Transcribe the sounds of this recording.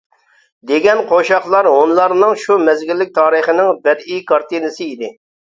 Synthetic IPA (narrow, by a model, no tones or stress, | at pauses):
d̪eɡʲɛnqʰoʃɑχlˠɑɾonlˠɑɾnɨŋʃumɛzɡʲilːɪk̚ʲt̪ʰɑːɾəχənɪŋbɛd̪ikɑɾt̪inɨsɨid̪ɪ